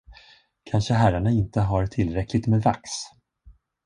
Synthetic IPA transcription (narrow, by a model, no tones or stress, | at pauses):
kʰanʂəɦæɾaɳaɪnt̪əɦaɾt̪ʰɪlːɾɛklɪt̪meːd̪va̰ks